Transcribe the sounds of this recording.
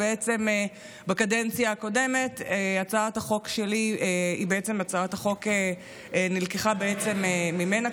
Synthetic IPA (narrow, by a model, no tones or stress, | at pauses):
eet͡se̞me | bakadent͡sjaːko̞de̞me̞teat͡saataχo̞kʃelieibeet͡se̞mat͡saathaχo̞ke | nilkeχabeet͡se̞meːime̞na